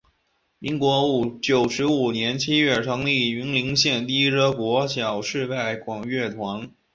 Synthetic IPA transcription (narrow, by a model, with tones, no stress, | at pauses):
i˧˥ŋkwɔ˧˥u˨˩t͡ɕjo˨˩ʊʂɻ̩˧˥u˨˩njɛ˧˥nt͡ɕʰi˥ɥɛ˥˩ʈ͡ʂʰɤ˧˥ŋli˥˩y˧˥nli˧˥ŋɕjɛ˥˧nt̪i˥˩i˥ʈ͡ʂɤ˥kwɔ˧˥ɕjɑ˨˩ʊʂɻ̩˥˧pa˥˩ɪkwɑ˨˩ŋɥɛ˥˩t̪ʰwa˧˥n